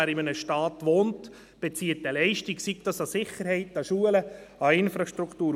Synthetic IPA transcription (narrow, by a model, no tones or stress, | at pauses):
æɾɪmənəʃtɑːtʋoːnt | b̥ɛt͡siətəlɛɪʃtiksiɡ̚tɑsɑsɪχəɾhɛɪtɑʃuələɑɪnfɾɑʃtɾuktuː